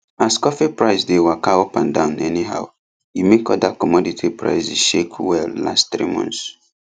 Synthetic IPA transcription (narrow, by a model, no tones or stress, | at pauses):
askɔfipɹaɪsdewakaopãndãʊ̃nɛniɦa̰ʊ | jimekɔdakɔmɔditʰipɹa̰ɪsiʃekwɛlla̰stθɹḭmɔ̰̃nθs